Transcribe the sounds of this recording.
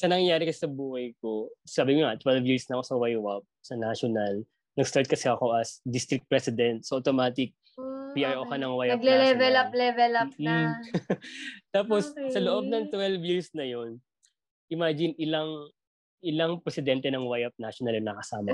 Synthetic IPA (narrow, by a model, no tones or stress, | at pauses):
sɐnɐŋɐjaːɾɪkɐssɐbuːhɐjk̚o̞saːbɪkoŋat̪wɛlvjiɹsnɐɐko̞sɐwajwɐp̚sɐnaʃonɐl | nɐɡst̪aɹt̪̚kɐsɛɐko̞ʔɐsd̪ist̪ɾɪk̚t̪̚pɹɛsɪd̪ɛnt̪̚sɐʔot̪omaːt̪ɪk̚ | pɪɐjɐʔokɐnɐŋwajɡlɛlɛvɛlɐplɛvɛlɐp̚ | t̪aːpossɐloʔo̞b̚nɐŋt̪wɛlvjiɹsnɐjo̞n | ʔɪmaːd͡ʒɪnʔɪlɐŋ | ʔɪlɐŋpɾɛsɪd̪ɛnt̪ɛnɐŋwajɐp̚naʃonɐlɐnɐkɐsaːmɐ